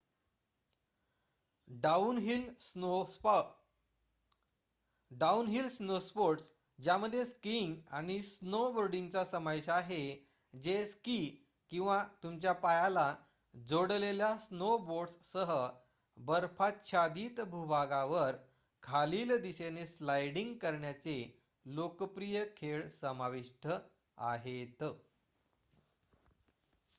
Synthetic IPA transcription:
aunɦilo | ɖaunɦilsnospoʈs | d͡ʑjaməd̪ʱːjeskiŋɡañisnobəɾɖiŋɡt͡sasəmajɕaɦe | d͡zeski | kĩw̃ʋat̪umt͡ɕjapajala | d͡zoɽleljasnoboɽssəɦə | bəɾfat̪ɕʰad̪iːt̪bʱubʱaɡaʋəɾ | kʰaliːld̪iseneslajɽiŋɡkəɾɳjat͡se | lokəpɾijəkʰeɭsəmaʋiʂʈʰə | a̰ɦet̪

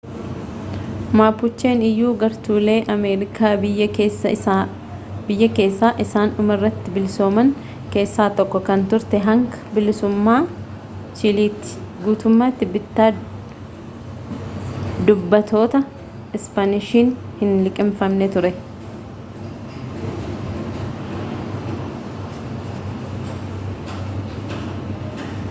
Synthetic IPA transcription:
maːpːʊt͡ʃːe̞ːnɪjːuːɡɐɾt̪uːle̞ːʔɐmeːɾɪkʰaːbɪjːɐeː | bɪjːɐke̞ːsːaːʔɪsaːnʊmɐrːɐt̪ːɪbɪlso̞ːmɐŋ | ke̞ːsːaːt̪ɔkːɔkɐnt̪ʊɾt̪ɛɦɐŋkɐ̥bɪlɪsʊmːaː | t͡ʃɪliːt̪ːɪ̥ɡuːt̪ʊmːaːt̪ːɪbɪt̪ːaː | d̪ʊbːɐt̪o̞ːt̪ɐ | ɪspanɪʃiːn | hɪnlɪkʼɪmfɐmnɛt̪ʊɾɛ

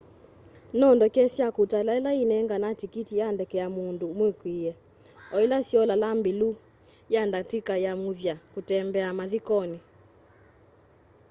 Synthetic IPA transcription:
nɔndɔkɛsjakutalaɛlainɛŋɡanatikitijandɛkɛamundomwekwiɛ | ɔilasjɔlalambilu | jandatikajamuðjakutɛmbɛamaðikɔni

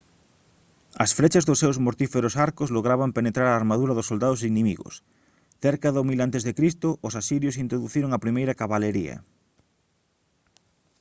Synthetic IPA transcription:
ɐsfɾet͡ʃazðosːewzmoɾt̪ifeɾosaɾkozloɣ̞ɾaβampenet̪ɾaɾaːɾmaðuɾɐðosold̪aðosinimiɣo̰s | θeɾkaðomilant̪ezðekɾist̪oʔːsasiɾjosint̪ɾoðuθiɾoŋapɾimejɾɐkaβaleɾiɐ̰

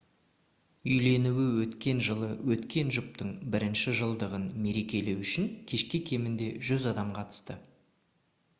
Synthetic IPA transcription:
ʏjle̞nuwɪwɵt̪kʲe̞nʒəlˠəwɵt̪kʲe̞nʒʊp̚t̪əɴbɪɾɪnʃɪʒəlˠd̪əʁənme̞ɾe̞kʲe̞le̞wʏʃɪŋkʲʰe̞ʃkʲekʲʰe̞mɪnd̪e̞ʒʏzɑd̪ɑmqʰɑt̪ə̥st̪ə

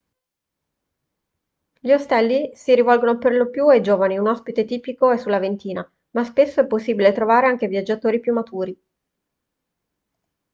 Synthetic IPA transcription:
ʎiost̪ɛlːisiɾivɔlɡonoperlopjued͡ʒoːvaniunɔspit̪et̪iːpikoɛsːulːavent̪iːna | maspesːoɛpːosːiːbilet̪ɾovaːɾeaŋk̟evjad͡ʒːat̪oːɾipjumːat̪uːɾi

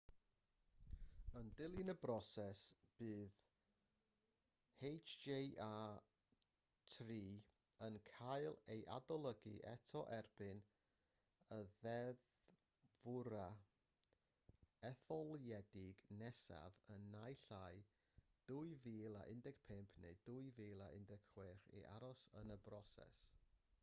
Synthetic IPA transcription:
əndɪlˠɨnəbrɔsɛsb̥ɨːð | hejt͡ʃd͡ʒejʔaː | tʰriː | ənkʰajlˠejʔa̰dɔlˠəɡiʔɛ̰tʰɔʔɛrb̥ɨn | əðɛð | vʊɾa | ɛθɔlˠjɛdɪɡnɛsa̰vənːajɬaj | d̥ʊɨviːlˠa̰ʔɪndɛɡ̥pʰɪmpʰnḛjd̥ʊɨviːlˠaʔɪ̰ndɛɡ̥χwɪrḭʔa̰ɾɔsənəbrɔsɛ̰s

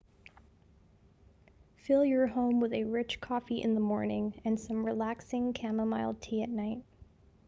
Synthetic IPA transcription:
fɪlˠjə˞ɦõʊ̃mwɨðɨɹɪt͡ʃkʰɔfiʔɨ̰̃nðəmɔɹnɪ̃ŋɨ̃nsʌ̃mɹilæksɪ̃ŋkʰæməmaɪlˠd̚tʰiɨ̰tⁿnaɪt̚

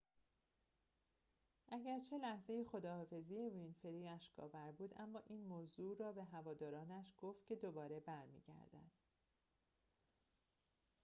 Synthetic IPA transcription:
ʔæɟæɾt͡ʃʰe̞læhze̞jexo̞d̪ɒːfe̞zijevinfe̞ɾiːæʃɡɒ̰ːvæɾbuːd̪ʔæmːɒːʔiːnmoːzuːrɒːbeɦævɒːd̪ɒːɾɒːnæʃɡ̥oft̪̚cʰe̞d̪o̞bɒːɾe̞bæɾmḭːɟæ̰ɾd̪æ̰d̪̥

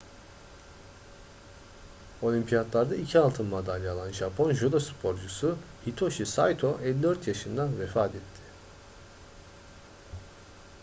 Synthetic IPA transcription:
o̞lʲimpʰijat̪lˠaɾd̪aicʰialˠt̪ʰɯnmad̪alʲːalˠanʒapʰo̞nʒulˠaspʰo̞ɾd͡ʒusʊhit̪ʰo̞ʃisajt̪ʰo̞ʔɛlʲːid̪øɾt̪ʰjaʃɯnd̪anvefaːt̪ʰɛt̪ʰːɪ̥

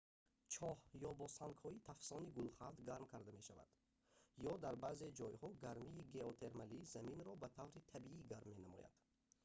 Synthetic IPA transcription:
t͡ʃʰɔhjɔbɔsaŋkhɔit̪ʰafsɔniɡulχald̪ɡaɾmkʰaɾd̪ame̞ʃava̰d̪̥ | jɔd̪aɾbaze̞d͡ʒɔjhɔɡaɾmiːɡe̞ot̪ʰe̞ɾmalizaminɾɔbat̪ʰavɾit̪ʰabiiɡaɾmːe̞namɔ̰ja̰d̪̥

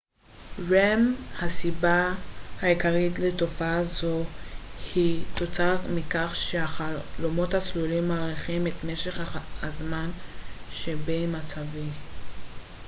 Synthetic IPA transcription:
ʁemhasibahaikaʁitletofaazo̞hit̪ot͡saʁmikaχʃeaχalomo̞that͡slulimaːʁiχimetme̞ʃeχaazmanʃebemat͡savi

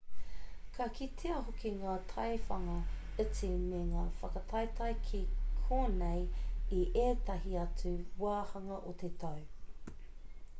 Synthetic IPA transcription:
kʰɐkʰitʰeɐɦokiŋaːtʰɐjfɐŋɐ | ət͡simeŋaːfɐkɐtʰɐjtʰɐjkʰikʰoːnejiʔeːtɐɦiɐt͡suwaːhɐŋɐʔot̪ʰetʰɐw

